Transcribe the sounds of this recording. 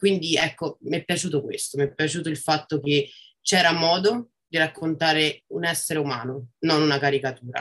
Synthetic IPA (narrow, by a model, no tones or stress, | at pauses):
kwind̪iɛkːomiɛpːjat͡ʃuːt̪okwḛst̪omiɛpːjat͡ʃuːt̪oilfat̪ːoke | t͡ʃɛːɾamɔːd̪o | d̪iɾakʰːont̪aːɾeunɛsːeɾeumaːnononunakaɾikat̪uːɾa̰